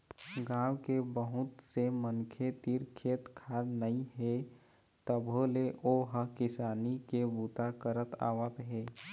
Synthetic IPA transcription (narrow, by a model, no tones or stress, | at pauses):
ɡãːwkebəɦʊt̪semənkʰet̪iɾkʰeːt̪kʰaːɾnəĩɦɛ | t̪əbʱoleʔoːɦəɦkɪsaːnikebuːt̪akəɾət̪a̰ːʋət̪ɦɛː